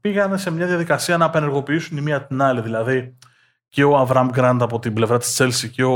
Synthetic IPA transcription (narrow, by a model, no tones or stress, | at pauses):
piɣɐne̞se̞mɲɐðjɐðikɐsiɐnɐːpene̞ɾɣo̞piisunimiɐt̪inɐliðilɐði | ce̞oɐvɾɐmɡɾɐnd̪ɐpo̞t̪ible̞vɾɐt̪ist͡se̞lsiceo